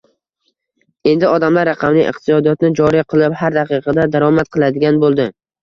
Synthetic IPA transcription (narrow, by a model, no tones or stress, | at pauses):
e̞nd̪ɪɒd̪amlaɾːɑqʰɑmnɪŋʔɨ̰qt̪ɪsɒd̪ijɒt̪nɪd͡ʒɒɾiqʰɨlˠɪphaɾd̪aqʰɨqʰɑd̪ad̪aɾɒmat̪̚qʰɨlˠad̪ɪɡʲanbolˠd̪ɪ